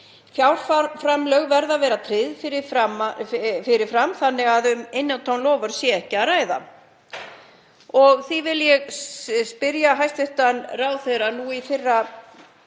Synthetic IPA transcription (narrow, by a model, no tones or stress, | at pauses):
fjawɾ̥ffɾamlœɣvɛɾðavɛːɾat̪ʰɾɪðfɪɾɪfa | fɪɾɪɾ̥fɾamθanːɪɣaðʏmɪnːawt̪ʰawnlɔːvœɾ̥sjɛɛhcɪaðraːjða̰ | ɔɣθivɪljɛɣspɪɾjaɦajst̪lɪht̪anrawθeðɾanuiθɪrːa